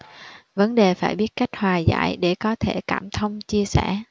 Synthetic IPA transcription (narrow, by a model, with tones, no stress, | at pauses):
və˨˦nɗe˨˩faː˧˩jɓi˦˥ət̚ka˦˥jk̟̚hwaː˨˩za̰ː˧˥jɗe˧˩kɔ˨˦t̪ʰe˧˩kaː˧˩mt̪ʰə˧wŋ͡mt͡ɕi˧əsɛ˧˩